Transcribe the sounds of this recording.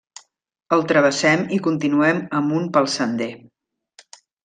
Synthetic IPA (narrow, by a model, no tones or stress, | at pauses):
əlˠt̪ɾəβ̞əsɛmikunt̪inuɛməmunpəlˠsənd̪e